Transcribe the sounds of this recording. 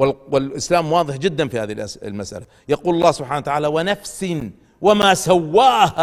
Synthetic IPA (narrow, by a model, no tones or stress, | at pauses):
wɪlwɪlʔɪslaːmwɑːðˤɨħd͡ʒɪd̪ːanfihaːðilʔlmasʔa̰la | jaquːlɑlˤːɑːsʊbħaːnawt̪aʕaːlawanafsɪ | wamaːsawːaːha